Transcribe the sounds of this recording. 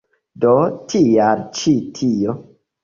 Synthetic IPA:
dotʰijamt͡ʃitʰijo

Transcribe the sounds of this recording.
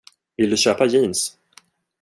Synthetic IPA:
vɪld̪ɵɕøːpajiːns

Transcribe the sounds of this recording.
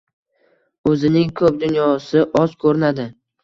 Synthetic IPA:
ɵzɪnɪŋkʰɵp̚d̪ʊnjɒsɪʔɒzkʰɵɾɪnad̪ɪ

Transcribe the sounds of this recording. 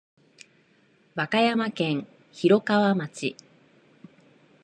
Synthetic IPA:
βakajamakẽ̞ɰ̃ | çiɾo̞kaβamat͡ɕḭ

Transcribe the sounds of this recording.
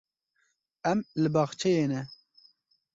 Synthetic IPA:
ɛmlɨbɑːxt͡ʃʰɛjeːnɛ

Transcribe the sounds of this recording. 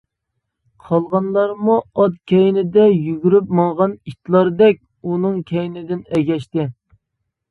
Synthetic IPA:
qʰɑlˠʁɑnlˠɑɾmuɑt̪̚kʲʰɛjnɪd̪ɛjyɡʲyɾyp̚mɑŋʁɑnit̪lˠɑɾd̪ɛk̚ʲ | unɨŋkʲʰɛjnɪd̪ɪnɛɡʲɛʃt̪ɪ

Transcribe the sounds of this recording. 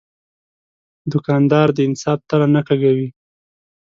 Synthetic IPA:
d̪ʊkɑnd̪ɑɾd̪əɪnsɑb̚t̪ananakaɡawi

